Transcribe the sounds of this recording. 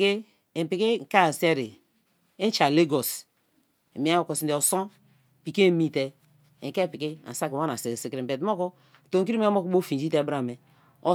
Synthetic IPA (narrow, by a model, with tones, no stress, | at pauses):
ke˦˨ | m˨pi˨ke˦ŋ̩˨ka˦a˨se˦ɾi˨ | e˦n˦t͡ʃa˨le˦ɡo˨s | mi˨˦a˦o˨ko˨si˨nde˨o˨so˦˨ | pi˨ke˦mi˦te˦ | e˨ke˦˨pi˨ke˦a̰˨sa˦ka˦na˨se˨si˨kɾi˨be˨tmo˦ko˦˨ | to˨ki˦i˦m˦m˦o˦ko˨˦bo˦fi˨d͡ʒi˦te˦˨bɾa˨me˨ | o˨